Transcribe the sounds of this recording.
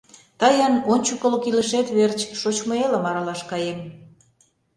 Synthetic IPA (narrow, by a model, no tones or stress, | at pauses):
t̪ɑjɑnonʲt͡ɕukə̆lokiləʃet̪βert͡ɕʃot͡ɕmŏelə̆mɑɾɑlɑʃkɑjem